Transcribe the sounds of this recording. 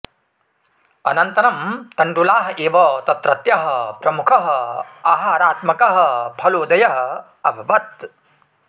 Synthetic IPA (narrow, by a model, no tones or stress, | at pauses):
ɐ̰nɐnt̪ɐnɐmt̪ɐɳʈulaːɦɐʔeːʋɐt̪ɐt̪ɾɐt̪jɐɦɐpɾɐmukʰɐɦɐaːɦaːɾaːt̪mɐkɐɦɐpʰɐloːd̪ɐjɐɦɐ̆ | ɐbʱɐʋɐt̪̚